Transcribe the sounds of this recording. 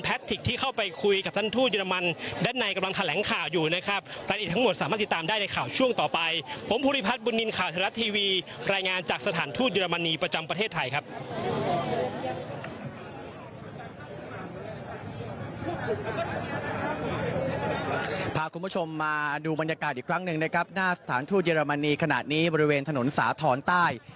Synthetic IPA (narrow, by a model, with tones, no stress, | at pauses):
npʰɛː˦˥t̪ʰːi˨˩k̚t̪ʰiː˥˩kʰa˥˩wpa˧jkʰu˧jka˨˩t̪ʰa˥˩nt̪ʰuː˥˩t̪̚jəː˧ɾa˧ma˧ndaː˥˩nːa˧jka˧mla˧ŋt̪ʰa˧lɛː˩˦ŋkʰaː˨˩wjuː˨˩na˦˥kʰɾa˦˥p̚ɾaː˧ja˨˩t̪̚ʰa˥m˨˩t̪̚saː˨˦ma˥˩˨i˨˩t̪ːaː˧mdaː˥˩jna˧jkʰaː˨˩wt͡ɕʰu˥˩əŋt̪ɔː˨˩pa˧jpʰo˩˦mpʰuː˧ɾi˦˧˥pʰa˦˥t̪̚bu˧nːi˧nkʰaː˨˩wt̪ʰa˧ɾa˦˥t̪ʰːiː˧wiː˧ | ɾaː˧jŋaː˧nt͡ɕaː˨˩k̚sa˧aː˩˦nt̪ʰuː˥˩t̪̚jəː˧ɾa˧ma˧nːiː˧pɾa˧t͡ɕa˧mpɾa˧t̪ʰeː˥˩t̪ʰːa˧jkʰa˦˥p̚ | pʰaː˧kʰu˧nmbu˥˩t͡ɕʰo˧mːaː˧duː˧ba˧nja˧kaː˨˩t̪̚ʔiː˨˩kʰɾa˦˥ŋnɯ˨˩ŋna˦˥kʰɾa˦˥p̚naː˥˩sa˧t̪ʰaː˩˦nt̪ʰu˥˩t̪̚jeː˧ɾa˧ma˧nːiː˧kʰa˧na̰˨˩t̪̚niː˦˥bɔː˧ɾi˦˥weː˧nt̪ʰa˧no˩˦nsa̰ː˩˦t̪ʰɔː˩˦nt̪aː˥˩j